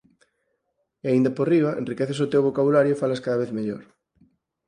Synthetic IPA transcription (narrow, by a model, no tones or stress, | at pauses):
eaind̪ɐporiβɐʔḛnrikeθesot̪ewβokaβulaɾjofalɐskaðaβeθmeʎo̰ɾ